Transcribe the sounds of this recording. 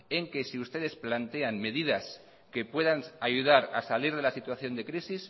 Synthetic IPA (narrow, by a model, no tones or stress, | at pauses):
e̞ŋke̞siust̪e̞ðe̞splant̪e̞anme̞ðiðas | ke̞pwe̞ðanaʝuð̞aɾa̰saliɾð̞e̞lasit̪waθjo̞nd̪e̞kɾisis